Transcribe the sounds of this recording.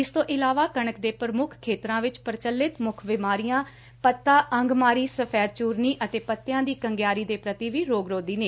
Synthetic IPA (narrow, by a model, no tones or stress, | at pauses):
ɪst̪õːʔɪlaːʋaːkəɳ̃əkd̪eːpəɾəmʊkʰkʰːeːt̪ɾãːʋɪt͡ʃpəɾt͡ʃəlːɪt̪mʊkʰʋɪmaːɾijãː | pət̪ːaːʔə̃ŋɡmaːɾiːsəpʰɛːɾt͡ʃuːɾniːʔət̪eːpət̪ːɪjãːd̪iːkəŋɡjaːɾiːd̪eːpɾət̪iːʋiːɾoːɡɾoːd̪iːneː